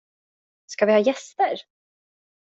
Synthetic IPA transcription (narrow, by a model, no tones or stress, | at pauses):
skavɪhɑːjɛst̪əɾ